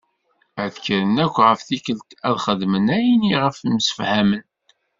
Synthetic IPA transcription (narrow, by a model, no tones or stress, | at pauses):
æðkɾənækʷːʁəfθikəlt̪æðχəðmənæjiniʁəfmsə̥fhæmən